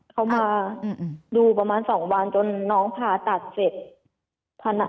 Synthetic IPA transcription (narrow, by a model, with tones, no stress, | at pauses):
kʰa˧˥˩wmaː˧ | duː˧pa˧maː˧˥˨nsɔː˩˦ŋwaː˧nt͡ɕo˧nːɔː˦˥ŋpʰaː˧˩t̪a˨˩t̪̚se˨˩t̪̚ | pʰːa˧na˧